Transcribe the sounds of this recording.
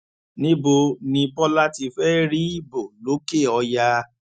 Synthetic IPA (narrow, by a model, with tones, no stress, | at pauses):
nĩ˦bo˧nĩ˧pɔ˦la˦ti˧fɛ˦ɾi˦i˦bo˨lo˨˦ke˦˨ɔ˧ja˧